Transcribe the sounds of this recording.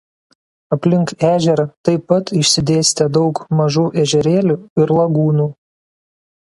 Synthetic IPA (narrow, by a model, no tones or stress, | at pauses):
ɐpʲlʲɪŋkæːʒʲɛɾɐt̪ɐɪpːɐt̪ɪʃʲsʲɪd̪ʲeːsʲt̪ʲɛd̪ɒʊkmɐʒuːʔɛʒʲɛɾʲeːlʲuːɪɾlˠɐɡuːnuː